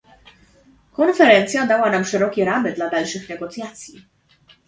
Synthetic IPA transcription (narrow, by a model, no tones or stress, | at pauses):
kɔnfɛɾɛnt̪sʲjad̪awanamʂɛɾɔkʲɛɾamɘd̪lad̪alʂɘxnɛɡɔt̪sʲjat̪sʲji